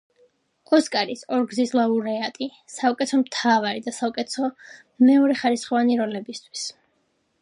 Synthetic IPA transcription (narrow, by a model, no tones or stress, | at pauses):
ɔskʼaɾisɔɾɡzislˠauɾɛat̪ʼi | saukʼɛt̪ʰɔmt̪ʰavaɾid̪asaukʼɛt̪ʰɔ | mɛɔɾɛχaɾisχɔvaniɾɔlɛbist̪ʰwi̥s